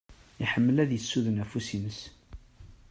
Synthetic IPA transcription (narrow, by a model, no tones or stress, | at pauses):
iħəmːəlæðjəsːuðənæfusinəs